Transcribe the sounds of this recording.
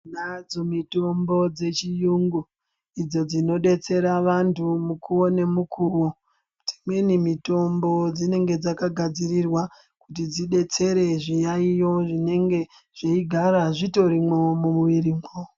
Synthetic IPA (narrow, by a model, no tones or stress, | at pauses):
nad͡zomito̞mbo̞d͡ze̞t͡ʃijuŋɡu | id͡zo̞d͡zino̞ɗe̞t͡se̞ɾaʋantʰumukuwo̞ne̞mukʰuwo | d͡zimwenimito̞mbo̞d͡zine̞ŋɡe̞d͡zakaɡʱad͡zirirwa | kut̬id͡ziɗe̞t͡se̞ɾe̞ʐijaijo̞ʐine̞ŋɡe̞ | ʐ̥iiɡʱaɾaʐito̞ɾimomumuʋiɾimo